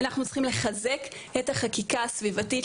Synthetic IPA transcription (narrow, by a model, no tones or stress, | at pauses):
naχnutt͡sχimle̞χaze̞ketaχakikasvivatit